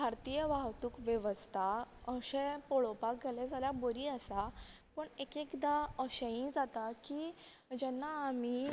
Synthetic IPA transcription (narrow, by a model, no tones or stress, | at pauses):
bʱaɾt̪iːjəʋaɦt̪uːkʋjeʋəst̪ʰaəɕẽpɔɭopakɡelɛd͡zʱaljaboɾiːəsapəɳekekd̪aəɕẽĩd͡zat̪aki | d͡ʑɛnːaːmi